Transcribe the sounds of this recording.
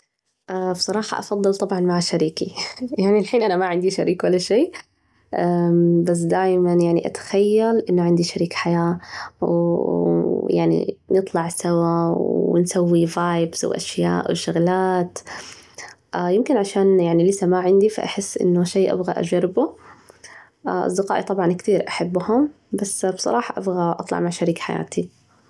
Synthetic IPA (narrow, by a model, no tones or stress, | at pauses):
ʔabsˤɑɾˤɑːħɑ̰ʔɑfɑðˤːɨlt̪ˤɑbʕɑnmaʕaʃaɾiːkijaʕnialħiːnʔanamaʕɪnd̪iʃa̰ɾiːkwalːaʃeː | ʔabas̬d̪aːjmanjaʕniʔa̰t̪ḁxajːalʔɪnːʊʕɪnd̪iʃaɾiːkħajaːw | jaʕnḭnɨt̪ˤlɑʕsawawɪ̰nsawːivaːjbza̰wʔa̰ʃja̰ːʔwʃʊɣlaːt̪ | ʔjɪmkɪnʕaʃaːnjaʕnilɪsamaʕɪnd̪ifa̰ʔa̰ħɪsːʔɪ̰nːʊʃeːʔa̰bɣaʔa̰d͡ʒɑɾɪbu | ʔʔɑ̰sˤd̪ɪqɑːʔit̪ˤɑbʕɑnkt̪iːɾʔaħabːhʊm | basbsˤɑ̰ɾˤɑːħɑʔabɣaʔɑ̰t̪ˤlɑ̰ʕmaʕʃaɾiːkħaja̰ːt̪i